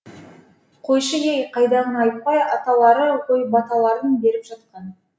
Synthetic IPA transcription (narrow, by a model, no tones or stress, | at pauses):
qʰo̞jʃəjejqʰɑjd̪ɑʁənɑjt̪̚pɑjɑt̪ɑlˠɑɾəʁojbɑt̪ɑlˠɑɾənbe̞ɾɪpʒ̥ɑt̪̚qɑn